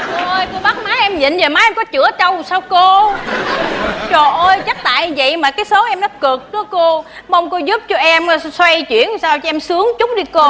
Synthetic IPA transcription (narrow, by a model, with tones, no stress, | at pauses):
ʔʔo˧jko˧ɓa˦˥k̚maː˨˦jʔɛ˧mɲḭ˧˨nzəː˨˩maː˨˦ʔɛ˧mkɔ˨˦t͡ɕɨ̰˧˩ət͡ɕə˧wsaː˧wko˧ | t͡ɕo˨˩ʔəː˧jt͡ɕa˦˥t̚t̪a̰ː˧˨jvə̰˧˨jmaː˨˩kaː˨˦jso˨˦ʔɛ˧mnɔ˨˦kɨ˨˩k̚nɔ˨˦ko˧ | ma˧wŋ͡mko˧zu˦˥p̚t͡ɕɔ˧ʔɛ˧m˧swa˧jt͡ɕwḭ˧˩˨ənsaː˧wt͡ɕɔ˧ʔɛ˧msɨ˨˦əŋt͡ɕʊ˦˥k͡p̚ɗi˧ko˧